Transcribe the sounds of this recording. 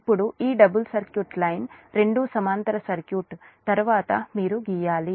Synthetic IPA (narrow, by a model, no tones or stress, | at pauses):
pːuɽuiːɖɐbulsɐɾkjuːʈlɐjnɾe̞ɳɖusɐmaːnt̪ɐɾɐsɐɾkjuːʈt̪ɐɾuʋaːt̪ɐmiːɾuɡijaːli